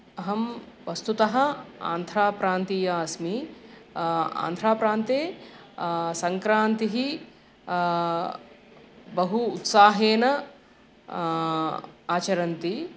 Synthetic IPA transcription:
ɐɦɐmʋɐst̪ut̪ɐɦɐ̆a̰ːnd̪ʱɾaːpɾaːnt̪iːjaːɐsmi | a̰ːnd̪ʱɾaːpɾaːnt̪eː | sɐŋkɾaːnt̪iɦi | bɐɦuːt̪saːɦeːnɐ | aːt͡ʃɐɾɐnt̪i

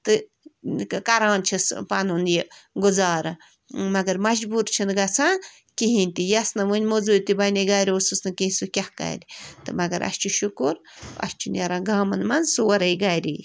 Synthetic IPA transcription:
t̪ɨ | kɐɾaːnt͡ʃʰɨspɐnunjiɡuzaːɾɨ | mɐɡɐɾmɐd͡ʒbuːɾt͡ʃʰɨnɡɐt͡sʰa | kiɦinʲt̪ijɐsnɐʋɨnʲmozuːt̪ibɐnʲɐɡaːɾʲiosusnɨkiɦĩsukʲɐhka̰ːɾʲit̪ɨmɐɡɐɾʔɐ̰st͡ʃuʃukuɾ | ɐ̰st͡ʃʰunʲjɐɾãɡaːmɐnmɐnsuwɐɾɐjɡaːjɾḭ

